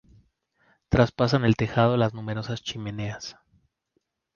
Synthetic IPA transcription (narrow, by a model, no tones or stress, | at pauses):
t̪ɾaspas̬ane̞lt̪e̞xað̞o̞laznume̞ɾo̞sast͡ʃime̞ne̞as